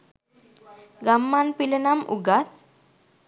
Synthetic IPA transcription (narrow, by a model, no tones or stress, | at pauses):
ɡamːanpilənamṵɡat̪